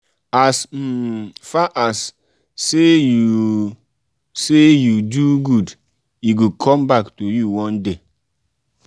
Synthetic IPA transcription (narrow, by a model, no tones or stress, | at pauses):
asm̩faʔasː | eju | sejuduɡud | iɡukʰɔmbaktojuwɔ̃nde